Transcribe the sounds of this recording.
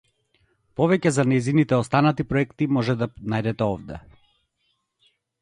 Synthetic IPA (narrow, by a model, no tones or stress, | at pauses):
pɔvɛcɛzanɛjzinit̪ɛɔst̪anat̪ipɾɔɛkt̪imɔʒɛd̪anajd̪ɛt̪ɛɔvd̪ɛ̰